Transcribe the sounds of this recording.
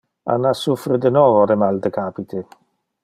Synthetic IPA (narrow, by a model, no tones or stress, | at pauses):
a̰nːasufɾed̪enɔːvoɾemald̪ekaːpit̪ʰe